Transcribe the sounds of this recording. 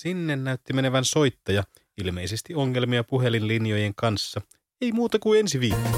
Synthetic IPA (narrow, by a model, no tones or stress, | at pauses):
sinːenːæyt̪ːimene̞ʋænso̞jt̪ːɑjɑ | ilme̞jsest̪io̞ŋːe̞lmiɑpuɦe̞linlinjo̞je̞ŋkɑnsːɑ | e̞jmuːt̪ɑkue̞nsiʋiːkːo